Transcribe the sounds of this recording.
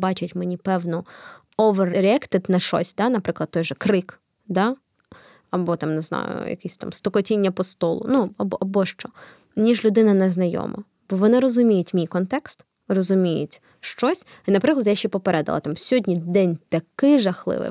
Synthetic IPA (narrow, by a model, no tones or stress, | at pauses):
bɑt͡ʃɪtʲmenʲipɛwnɔ | ɔʋerɾʲɛkt̪ɪt̪nɐʃɔ̰sʲd̪anɐpɾɪklˠɐd̪t̪ːɔjʒɛkɾɪk | d̪ɑ | ɐbɔt̪ɑmneznɑ̰jʊ̰jɐ̰kɪsʲt̪ɑ̰mst̪ɔkɔtʲinʲːɐpɔst̪ɔlˠʊ̰nuɐbɔʔɐbɔʃt͡ʃɔ | nʲiʒlʲʊd̪ɪnɐnɛznɐjɔ̰mɔ̰ | bɔʋɔnɪɾɔzʊmʲijʊtʲmʲijkɔnt̪ɛkst̪ | rɔzʊmʲijʊ̰tʲ | ʃt͡ʃɔsʲ | nɐpɾɪklˠɐd̪jaʃt͡ʃɛpɔpeɾɛd̪ɐ̰lˠɐ̰t̪ɑmsʲɔdʲnʲid̪ɛnʲt̪ɐkɪjʒɐxlˠɪ̰ʋɪ̰